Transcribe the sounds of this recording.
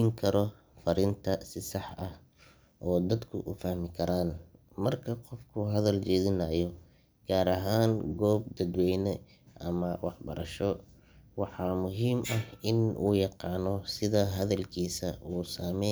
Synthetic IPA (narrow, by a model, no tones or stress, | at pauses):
ŋkʰɐɾɔ | fɐɾɪnt̪ʰɐsɪsɑħɐh | ʔɔːd̪ɐd̪kʰʊ̰ʔʊfɐhmɪkʰɐɾaːn | mɐrkʰɐqɔfkʰʊɦɐðɐlt͡ʃɛːðɪnɐːjɔ | ɡ̥aːɾɐɦaːŋɡɔːb̚d̪ɐd̪wɛjnɛ | ʔɐ̰mɐwɑħbɐ̰ɾɐ̰ʃɔ | wɑħɑːmʊɦiːmɐhɪnṵːjɑqɑːnɔsɪðɐɦɐðɐlkʰiːsɐuːsaːmɛ